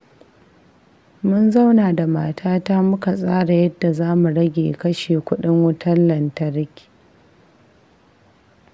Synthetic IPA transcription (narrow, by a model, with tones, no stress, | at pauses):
mʊ˦nza˦wnaː˨da˨maː˨tʰaː˦ta˦mʊ˦ka˨sʼaː˦ɽa˨jɐ˦dːa˨zaː˦mu˨ɽɐ˦ɡʲḛː˨kɐ˦ʃeː˨kʷʊ˦ɗɪ˦ŋwʊ˦tʰɐ˦lːɐ˨ntɐ˦ɾɪ˦kʲi̥˨